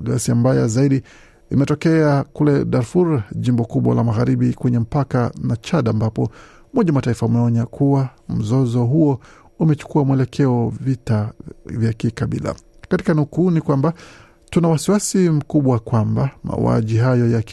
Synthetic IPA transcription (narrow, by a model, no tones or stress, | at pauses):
ɡasiambaja̰zaiɗi | imɛtɔkɛakulɛɗaɾfuɾʄimbɔkuɓwa̰lamaɣaɾiɓikwɛɲɛm̩pakanat͡ʃaɗaːmbapɔ | mɔʄamataifaumɛɔɲakʰuwam̩zɔzɔɦuɔ | umɛt͡ʃu̥kuamwɛlɛkʰɛɔvitavjakikaɓḭla̰ | kati̥kanukunikwamba | tunawasiwasim̩kuɓwakwambama̰ṵa̰ʄiɦajɔjak